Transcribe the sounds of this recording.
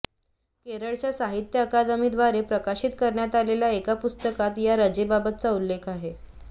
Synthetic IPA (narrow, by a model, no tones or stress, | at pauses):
keɾəɭt͡ɕjasaɦit̪jəːkad̪mid̪ʋaɾepɾəkaɕit̪kəɾɳjat̪aleljaekapust̪əkat̪jaɾəd͡ʑebabət̪̚t͡saulːekʰaɦe